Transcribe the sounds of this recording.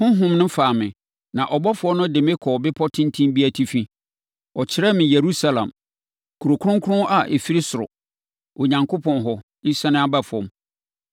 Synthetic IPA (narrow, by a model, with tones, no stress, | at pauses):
hʊ̃˦ɦʊ̃˦mnʊ̃˦faː˨mɪ̃˨ | nã˨ʔɔ˨bɔ˦fʊ˨ɔ˦nʊ̃˦dɪ˨mɪ̃˦kʰɔː˨bɪ˦pʰɔ˦tʰɪ̃˦ntʰĩ˦mbi˦æ˨tʰi˦fĩ˦ | ɔ˨t͡ɕʰɪ˦ɾɛ˦mɪ̃˨je˨ɾu˦sa˦lã̰˨m | kʰu˨ɾo˨kʰɾʊ̃˦ŋkʰʊ̃˦ʔa˨ʔe˨fi˦ɾi˦sʊ˨ɾʊ̰˨ | o˨ɲã˨ŋkʰo˦pʰɔ̃˨nɦɔ˨ | i˦sã˦nʊ̃˦a˦ba˦fʊ˨ɔ̰̃˨m